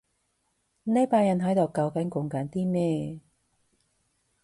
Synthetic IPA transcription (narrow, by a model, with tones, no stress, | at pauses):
ne˨˧˥jpaː˧jɐ˨nɦɐ˨˥jt̪o˨˩wkɐ˧wkɐ˨˥nkʊ˨˧ŋkaː˨˥nt̪iː˥mɛː˥˩